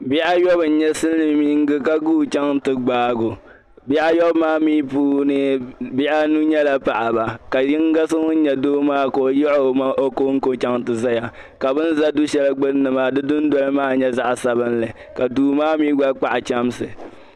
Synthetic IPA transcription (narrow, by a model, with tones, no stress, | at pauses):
bɪ˦ʔa˦jɔ˦bɨ˨n̩˨˦ɲɛ˦sɨ˦lːɨ˦mi˦ŋ˦ɡɨ˦ka˦ɡuː˦˨t͡ʃa˦ŋ˦tɨ˨ɡ͡baː˦ɡo˨ | bɪ˦ʔa˦jɔ˦bmaː˦miː˦puː˦nɨ˦bɪ˦ʔa˦nu˦ɲɛ˦la˨pa˨ʔa˨ba˨ka˨jɪ˦ŋ˦ɡa˦sɨ˦ŋʊ˦n̩˦ɲɛ˨doː˦maː˦ko˨o˨jɪ˦ʔo˦˨ma˦ʔo˦koː˦ŋ̩˦ko˦t͡ʃa˦ŋtɨ˨za˦ja˨ | ka˨bɨ˦n̩˦za˦du˦ʃɛ˦lɨ˦ɡ͡bɨ˦n˦nɨ˨ma˦˨dɨ˦dʊ˦n˦dɔ˦lɨ˦maː˦˨ɲɛ˦za˦ʔsa˨bɨ˦nlɨ˨ | ka˨duː˨˦maː˦miː˦ɡ͡ba˦k͡pa˦ʔa˨t͡ʃa˦m˦sɨ˨